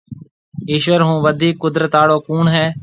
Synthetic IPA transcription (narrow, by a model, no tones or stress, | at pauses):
iːʃʋəɾɦũːʋəd̪ʱiːkːʊd̪ɾət̪aːɽoːkuːɳɦɛː